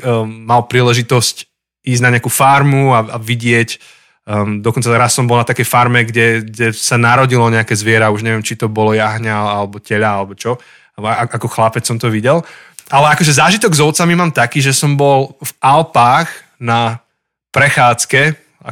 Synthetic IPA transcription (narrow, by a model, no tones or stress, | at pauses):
malpɾiːlɛʒit̪ɔsc | iːzɟnaɲɛakuːfaɾmuaaʋiɟɪɛc | d̪ɔkɔnt͡saɾasːɔmbɔlˠnat̪akɛjfaɾmɛɡɟɛɡɟɛsanaɾɔɟilɔɲɛakɛzʋɪɛɾauʒɲɛʋɛmt͡ʃit̪ɔbɔlɔjaɦɲaalɛbɔcɛʎaalɛbɔt͡ʃɔ | aʔakɔxlapɛt͡ssːɔmt̪ɔʋiɟɛlʔalɛakɔʒɛzaːʒit̪ɔɡzɔʊt͡samimaːmt̪akiːʒɛsɔmbɔlvalpaːɣ | na | pɾɛxaːt͡skɛ | a̰